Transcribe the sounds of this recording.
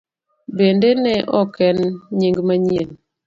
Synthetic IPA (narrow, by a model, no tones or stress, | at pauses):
bendenɛʔɔkɛnɲiŋɡmaɲien